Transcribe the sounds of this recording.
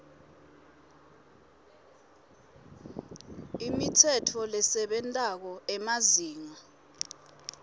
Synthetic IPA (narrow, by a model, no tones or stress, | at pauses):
imitʰɛtʰɔlɛsɛɓɛntʼak̬ɔɛmaziːŋa